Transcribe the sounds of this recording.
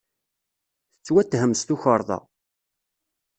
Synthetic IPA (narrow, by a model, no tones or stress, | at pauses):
θət͡sːwæt̪ːhəmst̪uçəɾˤðˤɑ̰